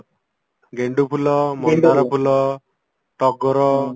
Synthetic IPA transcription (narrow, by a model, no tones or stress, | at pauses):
ɡeɳɖupʰulɔmɔd̪aɾɔpʰulɔ | ʈɔɡɔɾɔ